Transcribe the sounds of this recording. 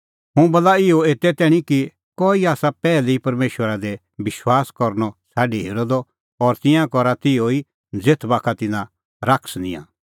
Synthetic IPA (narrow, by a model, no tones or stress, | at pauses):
ɦʊ̃bɐlaɪɔeːt̪ɛt̪ɛːɽ̃ĩki | kɔːiaːsapɛːlɛipɐɾmeːʃwəɾad̪ɛ | bɪʃwaːskɔɾnɔsaːɖiɦeːɾod̪ɔ | ɔɾt̪ɪ̃jãkɔɾat̪ɪoi | d͡zeːt̪ʰbaːkʰat̪ɪnã | ɾakʰsnḭ̃jã̰ː